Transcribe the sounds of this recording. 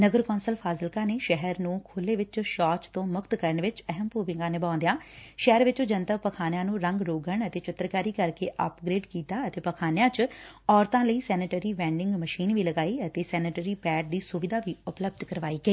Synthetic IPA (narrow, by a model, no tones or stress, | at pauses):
nəɡəɾkɔːnsəlpʰaːzɪlkãːneːʃɛɦəɾnũːkʰoːlːeːʋɪt͡ʃʃɔːt͡ʃt̪õːmʊkt̪kəɾəɳʋɪt͡ʃəɦəmpuːʋɪ̃ŋɡãːneːbãːnd̪ejãːʃɛɦəɾʋɪt͡ʃod͡ʒənt̪əpəkʰaːnjãːnũːɾəŋɡɾoːɡəɳət̪eːt͡ʃɪt̪ːəɾkaːɾiːkəɾkeːʔə̰pɡɾeːɖkiːt̪aːət̪eːpəkʰaːnjãːt͡ʃɔːɾt̪ãːləiːsɛːnəʈəɾiːʋɛ̃ːɳɖɪ̃ŋɡməʃiːnʋiːləɡaːiːət̪eːsɛːnəʈəɾiːpɛːʈ̚d̪iːsʊʋɪd̪aːʋiːʊpləb̚d̪kəɾʋaːiːɡəeː